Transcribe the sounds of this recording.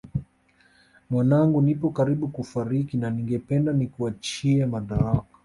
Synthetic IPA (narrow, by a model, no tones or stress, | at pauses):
mwanaŋɡunipɔkaɾiɓukufaɾikinaniŋɡɛpɛndanikuat͡ʃiɛmaɗaɾakḁ